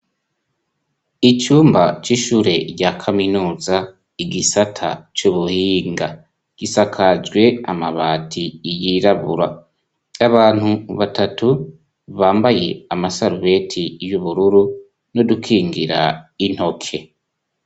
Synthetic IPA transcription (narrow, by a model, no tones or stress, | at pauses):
it͡ʃuːmbat͡ʃiʃuːɾe̞ɾɟakʰaminuːza | iɡisatʰa̰t͡ʃuβuhiːŋɡa | ɡ̥isakʰad͡ʒɡwe̞amaβaːtʰijiɾaβṵɾa | aβaːn̥huβatatu | βaːmbaje̞amasaɾuβe̞tʰijuβuɾuɾu | no̞dukʰiːŋɡiɾa̰in̥ho̞kʰe̞